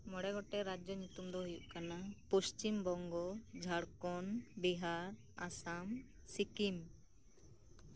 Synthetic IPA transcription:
mɔɽɛɡɔʈɛɾad͡ʒɔɲut̪umd̪ɔɦujuʔkanapust͡ʃimbɔŋɡɔd͡ʒʱaɽkɔnbiɦaɾ | asam | sikim

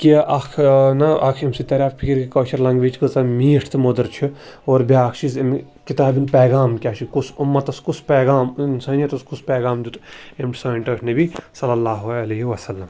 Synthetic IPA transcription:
kiʔɐkʰnɐʔɐkʰimsit̪ɐɾʲaːfpʰikiɾkikɐːʃɐɾlɐŋɡʋeːt͡ʃkɨzɐmiːʈʰt̪mod̪ɐɾt͡ʃʰi | oːɾbʲaːkʰt͡ʃʰizm | kit̪aːbinpeːɡaːmkʲaːʃʰikusumːɐt̪ɐskuspeːɡaːmnsɐnɐt̪ɐskuspeːɡaːmd̪ut̪emʈsɐːɳʈɐʈʰnɐbisɐlːɐlːaːɦuɐlɐɦiʋɐsɐlːɐm

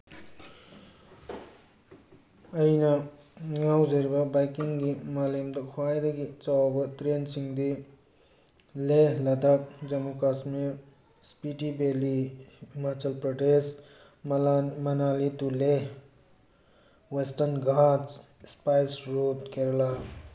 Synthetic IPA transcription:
əjna | ŋawzeɾbɐbajkiŋɡimaːlimd̪ɐkʰwajd̪ɐɡit͡sawbɐt̪ɾensiŋd̪i | leɦlɐd̪ak̚d͡ʒɐmukasme | spiʈibeliimat͡ʃɐlpɾoʈes | mɐnalit̪uleɦ | wesʈənɡʱat͡s | spajsɾot̪keɾla

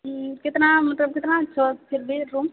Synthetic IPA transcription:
kɪt̪namɐt̪ləb̚kɪt̪nat͡ʃʰɔpʰɪɾbeɾuːm

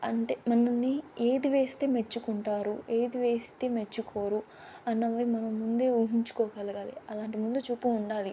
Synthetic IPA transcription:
ɐɳʈeːmɐnɐnːieːd̪iʋe̞ːst̪e̞ːmet͡ʃːukuɳʈaːɾue̞ːd̪iʋe̞ːst̪e̞ːme̞t͡ʃːukʰoːɾu | ɐnːɐʋɐːimɐnɐmːund̪e̞ːuɦiɲt͡ʃu̥kɔːkɐlɐɡaːlḭɐlaːɳʈimund̪ut͡ʃuːpːuːɳɖaːli

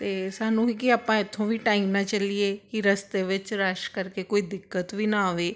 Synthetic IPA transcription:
t̪eːsaːnũːiːkɪaːpãːɪt̪ʰːõːʋiːʈaːiːmnaːt͡ʃəlieːkɪɾəst̪eːʋɪt͡ʃɾaʃkəɾkeːkoːiːd̪ɪkːət̪ʋiːnaːʋeː

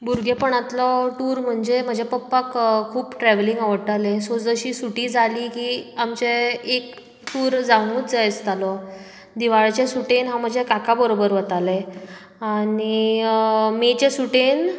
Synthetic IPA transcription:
buɾɡʱepəɳat̪lɔʈuːɾm̤əɳd͡ʑem̤əd͡ʑʱepəpːakkʰːuːpʈɾɛʋliŋɡaʋəɽʈ̪alesod͡zəɕiːsuʈiːd͡zʱaliːkiːamt͡ɕeek | ʈuːɾd͡zaɽ̃uːt̪d͡zəjt͡st̪alɔ | d̪iʋaɭt͡ɕesuʈenɦãm̤əd͡ʑʱekakabəɾobəɾʋət̪ale | ani | met͡ɕesuʈen

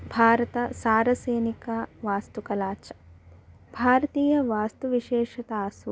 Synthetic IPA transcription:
bʱaːɾɐt̪ɐsaːɾɐseːnikɐʋaːst̪ukɐlaːt͡ʃɐ̥ | bʱaːɾɐt̪iːjɐʋaːst̪uʋiʃɛːʃɐt̪aːs

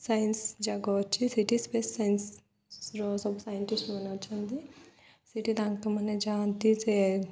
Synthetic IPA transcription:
sɐjɐnsd͡ʒaːɡɐʋɐt͡ʃːisiʈispeːsɐjɐns | sɾosɐbsɐjɐɳʈisʈmɐnɐɐt͡ʃːɐnd̪i | siʈid̪aːŋkt̪ɐmɐned͡ʒaːnt̪it͡ʃe

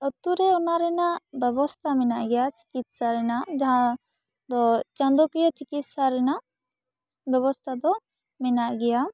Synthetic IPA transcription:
ət̪uɾɛɔnaɾɛnabɛbɔst̪ʰamɛnaʔɡɛjat͡ʃi̥kit̪̚saɾɛnad͡ʒaɦã | d̪ɔt͡ʃãnd̪ɔkijat͡ʃikit̪̚saɾɛna | bɛβɔst̪ʰad̪ɔ | mɛnaʔɡɛja

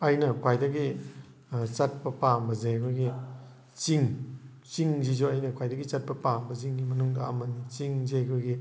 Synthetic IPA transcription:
ɐjnɐkʰwajdɐɡi | t͡ʃat̚pɐpambɐzeɡojɡi | t͡ʃiŋ | t͡ʃiŋzid͡ʒoɐjnɐkʰwajdɐɡit͡ʃat̚pɐpambɐziŋɡimɐnuŋdɐ̰ɐ̰mɐnit͡ʃiŋzeɡojɡi

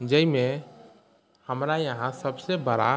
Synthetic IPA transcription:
d͡ʒəjme | həmɾajəɦãsəbsebəɾa̰

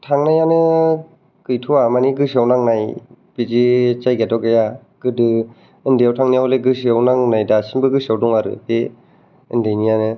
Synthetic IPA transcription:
tʰaŋnajanɯ | kɯjtʰuamaniɡɯsawnaŋnajpid͡ʒit͡ʃajɡatɔɡeja | ɡɯdɯ | ɯndijawtʰaŋnijawleɡɯsiawnaŋnajdasinbɯɡɯsiawdɔŋaɾɯ̰pe | ɯ̰ndajnijanɯ

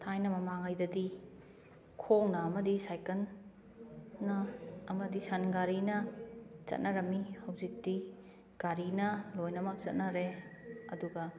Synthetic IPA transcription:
tʰajnɐmɐmaŋɐjdɐdi | kʰownɐːmɐdisajkɐn | ɐɐmɐdisɐnɡaɾinɐt͡ʃɐ̰t̚nɐɾɐmihɐwzik̚ti | ɡ̥aɾinɐlojnɐmɐk̚t͡ʃɐ̰t̚nɐɾeɐ̰duɡɐ

